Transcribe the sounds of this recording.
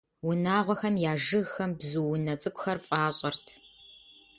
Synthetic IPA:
wʊnaːʁʷɔxɐmjaːʒɨɣxɐmbzuwʊnɐt͡sʼɨkʷʼʊxɐrfʼaːɕʼɐrtʰ

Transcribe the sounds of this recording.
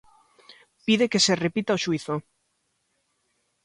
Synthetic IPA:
piðekeserepit̪aoʃuiθo

